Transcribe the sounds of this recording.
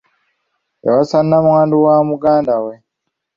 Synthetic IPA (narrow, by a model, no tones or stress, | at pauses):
ja̰wasanːamwaːnduwamuɡaːndawe